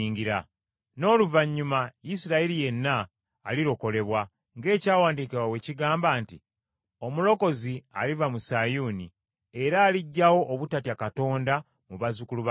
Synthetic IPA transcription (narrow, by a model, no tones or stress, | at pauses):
ŋɡiɾa | no̞ːluvaɲːumaisiɾaeɾije̞nːaː | liɾo̞ko̞le̞βwa | ŋɡe̞ːcaːwaːndiːkiwawe̞ciɡaːmbaːnti | o̞mulo̞ko̞zia̰livamusajuːni | e̞ɾaːliɟːawo̞ʔːβutatjakato̞ːnda | muβazukuluβa